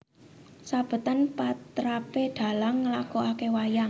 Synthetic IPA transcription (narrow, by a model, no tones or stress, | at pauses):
sab̥ə̤t̪ənpat̪ɾapeɖ̪̥a̤laŋːəlakoʔakewajaŋ